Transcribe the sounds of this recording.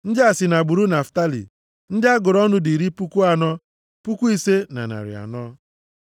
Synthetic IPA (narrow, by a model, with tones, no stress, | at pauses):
n̩˦dɪ˦a˨sɪ˨na˨ɡ͡bu˨ɾu˦na˨fta˦lḭ˨ | n̩˦dɪ˦a˦ɡʊ˨ɾɔ˦nʊ˦di˨ɾi˦pu˦ku˦a˨nɔ˦ | pu˦kʷu˦i˦se˦na̰˨na̰˨ɾɪ̰˨a̰˨nɔ˦